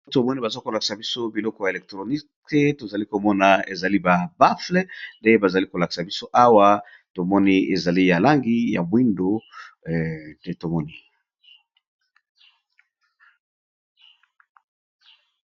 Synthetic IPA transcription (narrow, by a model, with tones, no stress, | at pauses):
to˨mɔ˦ni˦ba˨zo˦ko˨la˨ki̥˨sa˨bi˦so˦bi˨lɔ˦kɔ˦ja˨e˨lɛ˨k̚tʁo˨ni˦ke˦to˨za˨li˦ko˨mɔ˦na˨ḛ˨za˨li˦ba˨ba˦fle˦nde˦e˦ba˨za˨li˦ko˨la˨ki̥˨sa˨bi˦so˦ʔa˦wa˦ | to˨mɔ˦ni˦e˨za˨li˦ja˨la˦ŋɡi˦ja̰˨mwi˦ndo˨ | e˦to˨mɔ˦ni˨